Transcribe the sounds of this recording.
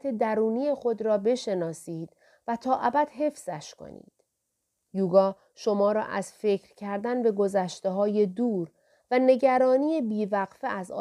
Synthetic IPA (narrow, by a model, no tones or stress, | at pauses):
t̪ʰe̞d̪æɾuːnije̞xo̞d̪ɾɒːbe̞ʃe̞nɒːsiːd̪̥ | væt̪ʰɒːʔæbæd̪̥ɦe̞fz̥æʃkʰo̰nḭːd̪̥ | juːɡɒː | ʃo̞mɒːɾɒ̰ːʔæz̥fe̞cʰɾcʰæɾd̪ænbe̞ɡo̞zæʃt̪e̞ɦɒːje̞d̪uːɾ | væne̞ɟæɾɒːniːjebiːvæɣfeʔæzɒ̰ː